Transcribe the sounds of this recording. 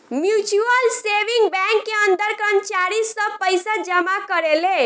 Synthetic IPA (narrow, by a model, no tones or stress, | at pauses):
mjut͡ʃuəlseʋiŋɡbɛ̃ŋkːeənd̪əɾkənt͡ʃaɾisːə̃pəjsad͡ʒəmakəɾele